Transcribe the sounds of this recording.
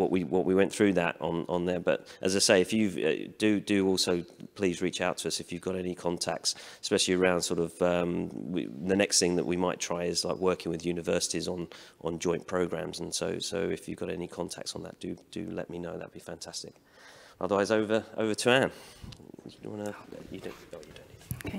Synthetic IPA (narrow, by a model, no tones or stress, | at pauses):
wɒʔwiwʌʔwiwɛ̃nθɹʉðə̰tn̩ə̃n̩ðə˞bʌ̰tʔəzaɪseɪɪfjɨvʌ̰d̥ɨdɨɔˑlˠsoʊpʰl̥iːzɹiˑt͡ʃaʊtʰəʌsɨfjʉvɡɒɾɛnikʰɒ̃ntʰæ̰k̚tsspɛʃl̩ˠiəɹãʊ̃nd̥sɔˑɾʌvʌ̃mɪ̰ðənɛksθɪ̃ŋðə̰ʔwimaɪtʰɹ̥aɪɪzla̰ɪkwɜˑkɪ̃ŋwɪðjʉnɨvɜˑsɪ̥tizn̩ʔn̩d͡ʒɔ̃ɪ̃npʰɹ̥əʊɡɹæ̰̃mzə̃n̩soʊsoʊɪ̰fjɨvɡɒɾɛ̰nikʰɒ̃ntʰa̰k̚tsn̩ðə̰ʔ̚d̥ɨd̥ɨ̰lɛ̰ʔ̚minəʊðə̰ʔ̚bifæ̃ntʰastɪ̰k | ʌ̰ðə˞waɪzəʊvəʔə̰ʊvətʰʉãn | jdə̃ʊ̃nwɑ̃nəjɨdõʊ̃noʊjɨdõʊ̃ni